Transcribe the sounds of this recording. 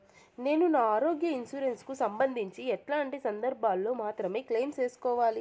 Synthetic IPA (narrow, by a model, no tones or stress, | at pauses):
ne̞ːnunaːaːɾo̞ːɡjɐinsuːɾe̞nskusɐmbɐnd̪ʱiɲt͡ʃiɛʈlaːɳʈisɐnd̪ɐɾbʱaːlːo̞ːmaːt̪ɾɐme̞ːkleːmt͡ʃeːsu̥kɔːʋaːli